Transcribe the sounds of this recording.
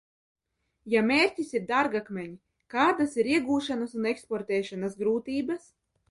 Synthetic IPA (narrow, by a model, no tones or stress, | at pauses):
jamʲeːɾʲcʲisiɾd̪aɾɡakmʲɛɲi | kaːd̪asiɾiɛɡuːʃanasunɛkspɔɾt̪ɛːʃanasɡɾuːt̪iːbas